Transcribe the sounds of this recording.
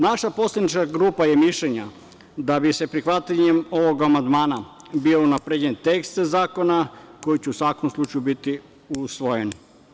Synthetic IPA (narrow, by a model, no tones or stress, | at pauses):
naʃapo̞slʲed̪nit͡ʃkaɡɾuːpajemiʃʎeɲa | d̪abise̞pɾixʋat̪ʎaɲemo̞ʋo̞ɡamand̪maːna | biounapɾed͡ʑent̪e̞kst̪ezaːko̞nako̞jit͡ɕeusʋakomslˠut͡ʃajubit̪i | usʋojen